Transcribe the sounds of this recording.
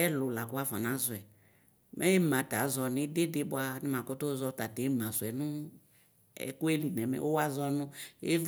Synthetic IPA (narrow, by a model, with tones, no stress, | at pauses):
ɛ˦lʊ˨la˨kʊ˦a˦fa˨nã˨˦zʊ˨ɛ˨ | mʔɛ̃˦e˦mã˨ta˨˦zɔ˧nɪ̃˨˦de˦de˦bʊ˦a˦nɪ˦mã˨ko˦to˦zɔ˦ta˨de˨˦mã˨sʊ˨ɛ˨nʊ̃˦ | ɛ̰˦˨kʊ˦e˦li˨nɛ̃˨mɛ̰̃˨˦ʔo˦wa˦zɔ˦nʊ̃˦ḛ˦